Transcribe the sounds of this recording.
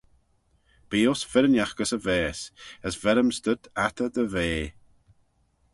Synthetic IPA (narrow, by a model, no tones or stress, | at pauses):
b̥iːosfɪɾənjaxɡəsəvɛːsəsvɛɾəmst̪əd̪at̪əd̪əveː